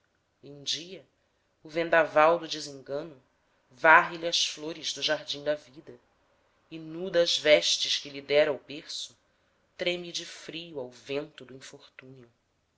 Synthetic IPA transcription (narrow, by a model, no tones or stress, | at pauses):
ũd͡ʒiɐ | ʊvẽnd̪avawd̪ʊd͡ʒɪzĩŋɡɐ̃nʊ | vaɦɪliɐsfloɾɪzd̪ʊʒaɦd͡ʒĩd̪ɐvid̪ɐ | ɪnud̪ɐːzvɛʃt͡ʃɪʃkɪlid̪ɛɾɐubeɾsʊ | t̪ɾẽmid͡ʒɪfɾijuawvẽnt̪ʊd̪ʊĩfoχt̪ũniʊ